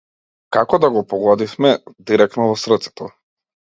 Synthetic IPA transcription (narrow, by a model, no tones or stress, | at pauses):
kakɔd̪aɡɔpɔɡɔd̪ifmɛd̪iɾɛk̚t̪nɔvɔsr̩t̪sɛ̥t̪ɔ